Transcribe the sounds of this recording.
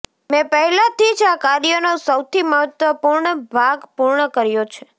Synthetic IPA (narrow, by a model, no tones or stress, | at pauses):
mɛ̃pəɦɛlãt̪ʰid͡ʒakaɾjənosəwt̪ʰiməɦət̪ʋəpuɾɳəbʱaɡpuɾɳəkəɾjot͡ʃʰe